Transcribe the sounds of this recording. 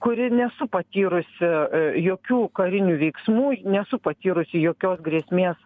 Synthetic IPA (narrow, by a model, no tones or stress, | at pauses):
kʊɾʲɪnʲɛsʊpɐt̪ʲiːɾʊsʲɪjoːkʲuːkɐɾʲɪnʲuːʋʲɛɪksmuːnʲɛsʊpɐt̪ʲiːɾʊsʲɪjoːkʲoːsɡɾʲiɛsʲmʲeːs